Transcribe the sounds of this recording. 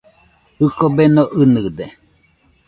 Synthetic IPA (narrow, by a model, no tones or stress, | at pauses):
hɨkobenoʔɨnɨd̪e